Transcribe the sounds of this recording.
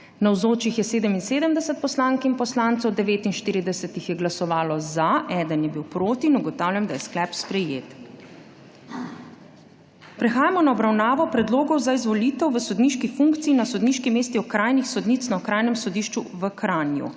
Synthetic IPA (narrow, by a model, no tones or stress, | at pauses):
nawzoːt͡ʃixjɛseːd̪əminseːd̪əmd̪ɛsɛt̪̚pɔslaŋkinpɔslaːnt̪sɔwd̪ɛʋeːt̪inʃt̪iːɾid̪ɛsɛt̪ixjɛɡlasɔʋaːlɔzaɛːd̪ənjɛbiwpɾoːt̪iːnuɡɔt̪aːwlʲamd̪ajɛsklɛːpspɾɛjeːt̪ | pɾɛxaːjamɔnaɔbɾawnaːʋɔpɾɛd̪loːɡɔwzaizʋɔliːt̪ɛwʋəsɔd̪niʃkifuŋkt̪siːnasɔd̪niːʃkimeːst̪iɔkɾajnixsɔd̪nit̪snaɔkɾaːjnɛmsɔd̪iʃt͡ʃuʋəkɾanjṵ